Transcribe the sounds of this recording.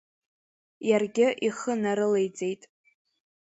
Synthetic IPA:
jarɡʲɪʔiχənaɾɨle̞jt͡sʼe̞jtʼ

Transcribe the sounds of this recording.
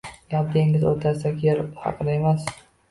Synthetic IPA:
jɒp̚d̪eŋɪzot̪ʰasakʲeɾhɑ̰qʰɨd̪ae̞mas

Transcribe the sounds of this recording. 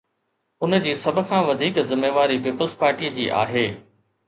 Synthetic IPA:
ʊnəd͡ʑiːsɐbʱə̆kʰãːʋɐd̪ʱiːkzɪmːeːʋaːɾipiːpəlspaːɾʈiːəd͡ʑḭːʔa̰ːɦeː

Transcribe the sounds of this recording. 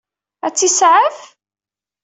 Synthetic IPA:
æt͡sːisʕəf

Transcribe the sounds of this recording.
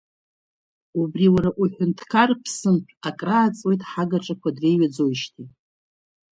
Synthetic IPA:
ubriwaɾaʔuħʷᶣʊntʰkʰarpʰsɨnpʰakʼraːt͡sʼwe̞jtʼħaɡaʈ͡ʂʼakʷʰadre̞jɥad͡zo̞jʃtʰi

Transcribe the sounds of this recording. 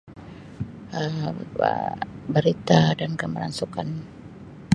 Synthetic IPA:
ʔəə̰bəɾit̪adankəməla̰nsukan

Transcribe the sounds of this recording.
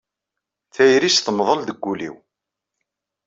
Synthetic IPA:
θæjɾisθəmðˤəld̪əɡːulḭw

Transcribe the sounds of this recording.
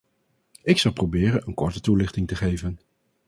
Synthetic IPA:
ɪksɑlˠprowbɪːrənənkɔɹtətulɪχtɪŋtəχejvən

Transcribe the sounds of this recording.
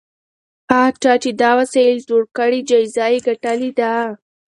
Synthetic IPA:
at͡ʃɑt͡ʃid̪ɑwasezoɽkəɽid͡ʒajzɑjiɡaʈalid̪a

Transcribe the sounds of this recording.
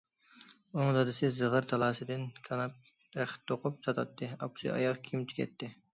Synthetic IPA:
oŋd̪ɑd̪ɨsɪzəʁəɾt̪ʰɑlˠɑːsɨd̪ɪnkʲʰɑnɑp̚ | ɾæχt̪ʰːoqʊp̚sɑt̪ʰɑt̪ʰːɨɑpsḭʔɑ̰jɑqkʲʰimt͡ʃ̪ʰi̥kʲʰɛ̰t̪ʰːɪ

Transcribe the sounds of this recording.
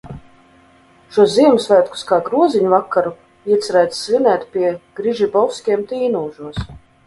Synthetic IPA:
ʃuɔsziɛmusvæːt̪ku̥skaːɡɾuɔziɲuvakːaɾu | iɛt̪sɾæjt̪ːvʲinæːt̪pʲiɛɡ̥ɾiʒibɔlˠskʲiɛmt̪iːnuːʒuɔs

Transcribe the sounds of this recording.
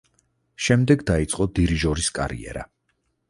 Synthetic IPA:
ʃɛmd̪ɛɡd̪ait̪sʼqʼɔd̪iɾiʒɔɾiskʼa̰ɾḭɛ̰ɾa

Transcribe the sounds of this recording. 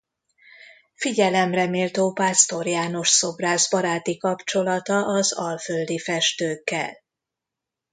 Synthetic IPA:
fiɟɛlɛmrɛmeːlt̪oːpaːst̪o̞rjaːno̞ʃso̞braːzbɒɾaːt̪ikɒpt͡ʃo̞lɒt̪ɒʔɒzɒlføld̪ifɛʃt̪øːkːɛ̰l

